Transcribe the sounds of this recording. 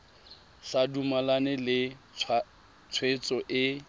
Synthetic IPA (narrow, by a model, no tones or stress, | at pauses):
sadumalanɛlɪ | t͡sʰwet͡sʼɔʔɪ